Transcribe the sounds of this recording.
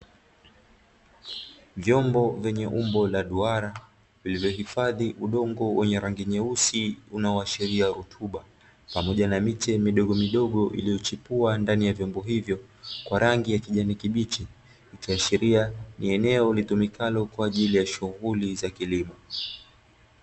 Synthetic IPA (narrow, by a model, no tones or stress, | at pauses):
vjɔmbɔvɛɲɛʔumbɔlaɗuaɾa | vilivjɔɦifaðiʔuɗɔŋɡɔwɛɲɛɾaŋɡiɲɛusiunaɔaʃɛɾiaɾutʰuɓa | pamɔʄanamitɛmiɗɔɠɔmiɗɔɠɔʔḭlijɔt͡ʃipuandanijavjɔmbɔɦivjɔkwaɾaŋɡijakiʄanikiɓit͡ʃɛ | ikiaʃɛɾianiɛnɛɔlitumikalɔkwaːʄilijaʃuɣulizakilima